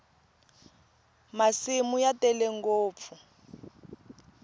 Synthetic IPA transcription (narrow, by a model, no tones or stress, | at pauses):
masimujatɛlɛŋɡoːp̪fu